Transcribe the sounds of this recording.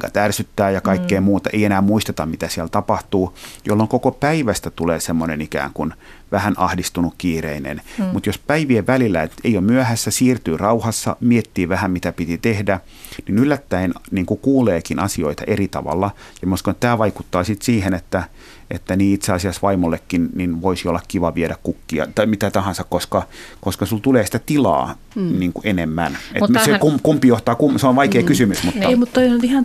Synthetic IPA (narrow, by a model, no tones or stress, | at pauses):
kɑt̪ærsyt̪ːæːjɑkɑikːeːmuːt̪ɑʔḛienæːmmuist̪et̪ɑmmit̪æsiælt̪ɑpɑht̪uːjo̰lːoŋkokopæiʋæst̪æt̪uleːsemːonenikæ̰ːŋkun | ʋæhænʔɑhdist̪unukkiːrḛinḛnmut̪jospæiʋieʋʋælilːæet̪eiommyæhæsːæsiːrt̪yːrɑuhɑsːɑ̰miet̪ːiːʋæhæmmit̪æpit̪it̪ehdæ | ninylːæt̪ːæinniːŋkukuːleːkinʔɑsioit̪ɑ̰ʔerit̪ɑ̰ʋɑ̰lːɑ | jɑmuskonet̪t̪æːʋɑikut̪ːɑːsit̪siːhenet̪ːæ | ʔḛt̪ːæniːit̪seɑsiɑsʋɑimolːekːinninʋoisiolːɑkkiʋɑʋieɾækkukːiɑ̰t̪ɑmit̪æt̪ɑhɑ̃nsɑkkoskɑkoskɑsult̪uleːsi̥t̪æt̪ilɑ̰ː | niːŋkuʔenemːænḛt̪sekumkumpːˑijoht̪ɑːkumseonʋɑikeːkysymysmut̪ːɑmut̪t̪oisonyt̪ihɑn